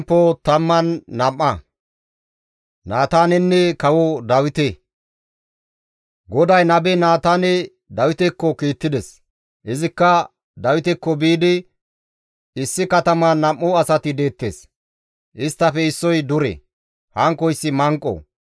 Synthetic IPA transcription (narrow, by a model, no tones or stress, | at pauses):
pːot̪ɐmːɐnːɐmːɐ | naːt̪aːnɛnːɛkɐwɔd̪ɐwɪt̪ɛ | ɡɔd̪ɐjnɐbɛnaːt̪aːnɛ | d̪ɐwɪt̪ɛkːɔkiːt̪ːɪd̪ɛs | ʔɪzɪkːɐ | d̪ɐwɪt̪ɛkːɔbiːd̪ɪ | ɪsːɪkɐt̪ɐmɐnɐmːɔɐsɐt̪ɪd̪e̞ːt̪ːeːs | ʔɪst̪ːɐfɛɪsːɔjd̪ʊɾɛ̰ | hɐŋkːɔjɪsːɪmɐŋkʼːɔ̰